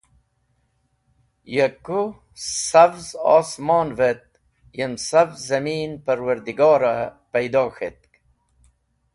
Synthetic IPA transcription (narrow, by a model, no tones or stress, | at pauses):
jəku | savzɑ̰ːsmɑːnvet̪̚ | jəmsavzɐmiːnpəɾwəɾd̪iɡɑːɾapejd̪ɑːxet̪̚k